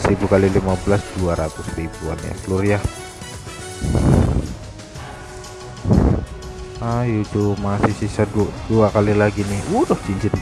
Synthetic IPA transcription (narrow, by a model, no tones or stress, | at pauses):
sɾibukalilimabəlasduaɾat̪ʊsribua̰nja̰kəlʊrja | ajud͡ʒumasɪsisaduduakalilaɡinɪhudɔhd͡ʒiɲd͡ʒɪt̪